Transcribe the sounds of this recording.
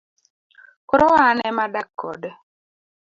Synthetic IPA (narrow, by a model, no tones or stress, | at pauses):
koɾɔwanɛmadakːɔd